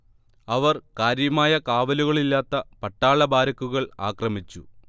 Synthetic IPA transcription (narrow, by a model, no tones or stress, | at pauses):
ɐʋɐrkaːɾjɐmaːjɐkaːʋɐluɣɐɭilːaːt̪ːɐpɐʈːaːɭɐbaːɾɐkːuɣɐɭa̰ːkrɐmit͡ɕːu